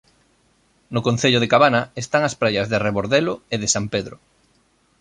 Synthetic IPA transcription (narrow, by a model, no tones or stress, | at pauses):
nʊkonθeʎoð̞ekaβanɐest̪aŋɐspɾajɐzðɪreβoɾðeloeðɪsampeðɾʊ